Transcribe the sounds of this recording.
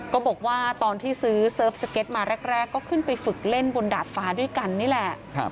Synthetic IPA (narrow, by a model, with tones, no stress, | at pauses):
kɔː˥˩bɔː˨˩k̚waː˥˩t̪ɔː˧nt̪ʰiː˥˩sɯː˦˥sɤː˦˥˩p̚sa˧ke˦˥t̪̚maː˧ɾɛ˦˥˩k̚ɾɛː˥˩kːɔː˥˩kʰɯ˥˩npa˧jfɯ˨˩k̚le˥˩nbo˧ndaː˨˩t̪̚faː˧˥du˥˩əjka˧nːiː˥˩lɛ˨˩˦